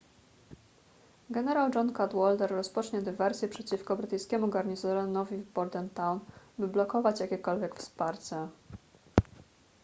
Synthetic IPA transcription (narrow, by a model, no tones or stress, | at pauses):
ɡɛnɛɾawd͡ʐɔnkat̪wɔlt̪ɛɾːɔspɔt͡ʂɲɛd̪ɘvɛɾsʲjɛpʂɛt͡ɕifkɔbɾɘt̪ɘjskʲɛmuɡaɾɲizɔɾɔnɔvʲivbɔɾd̪ɛnt̪awnbɘblɔkɔvat͡ɕjakʲɛkɔlvʲjɛkfspaɾt͡ɕɛ